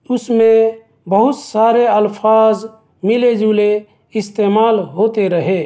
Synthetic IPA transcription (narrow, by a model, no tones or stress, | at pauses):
ʊsmẽ | bəɦʊt̪saɾeəlpʰaːz | miled͡ʒule | ɪst̪emaːlɦot̪eɾəɦe